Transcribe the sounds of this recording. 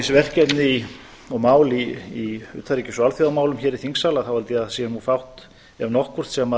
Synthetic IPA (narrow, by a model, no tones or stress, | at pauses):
svɛr̥cɛt̪nɪi | ɔmaːwliiʏ̰ːt̪ʰaɾicɪsɔalθjiðawmaːwlʏmçɛːɾiθiŋsaːlaθawalt̪ɪaðsjɛnuːfawht̪ | ɛvnɔhkvʏr̥t̪sɛma